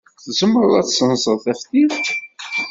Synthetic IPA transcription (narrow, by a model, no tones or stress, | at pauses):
θzəmːɾðæt͡sːsənzˤəðθæfθiðt̪